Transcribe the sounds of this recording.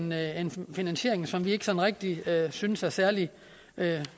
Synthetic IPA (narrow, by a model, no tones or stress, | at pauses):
nenfinænɕje̝̰ɐ̰e̝ŋsɒ̽mʋie̝ɡ̥əsɒ̽n̩ʁɛɡ̥̚d̥iøsynsæɐsæɐli | ø